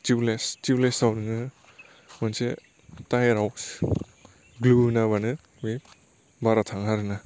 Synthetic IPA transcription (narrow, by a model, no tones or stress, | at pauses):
tiwlestiwlesawnɯŋɯ | manse | tajeɾaws | ɡlunaβanɯ | mi | baɾatʰaŋɦaɾɯna